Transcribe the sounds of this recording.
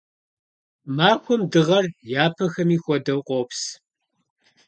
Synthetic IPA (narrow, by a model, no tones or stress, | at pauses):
maːkʷʰɔmdɨʁɐrjaːpʰɐxɐmiːxʷɔdɐwqʷʼoːps